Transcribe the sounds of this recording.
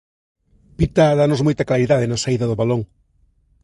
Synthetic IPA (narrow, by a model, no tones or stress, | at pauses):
pit̪aðanozmojt̪ɐklaɾiðað̞enɐsaiðɐðʊβaloŋ